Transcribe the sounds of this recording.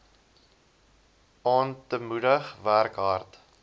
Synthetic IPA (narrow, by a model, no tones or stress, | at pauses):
ɑːntəmudəχværkɦɐrt